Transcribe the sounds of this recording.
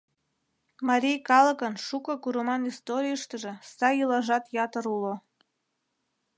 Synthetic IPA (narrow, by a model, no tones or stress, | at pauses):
mɑɾʲijkɑlɤ̆kənʃukɤ̆kuɾəmɑnist̪oɾʲijəʃt̪əʒĕsɑjɯlɑʒɑt̪jɑt̪əɾulo